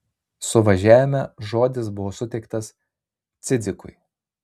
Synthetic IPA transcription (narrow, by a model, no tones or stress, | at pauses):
sʊʋɐʒʲæːʋʲɪmʲɛʒoːd̪ʲɪsbʊʋoːsʊt̪ʲɛɪkt̪ɐs | t̪sʲɪd̪ʲɪkʊɪ